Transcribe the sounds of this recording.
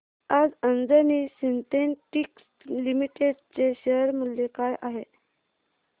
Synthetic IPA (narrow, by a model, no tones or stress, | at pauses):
ad͡zənd͡zənisint̪enʈiks | limiʈeɖt͡seɕəɾmuljekajʔaɦe